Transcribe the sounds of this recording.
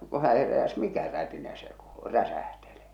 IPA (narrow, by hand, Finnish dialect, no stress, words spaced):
ko hæ heræs mikæ rætinæ se kuːl̥u̥ ræsæhtele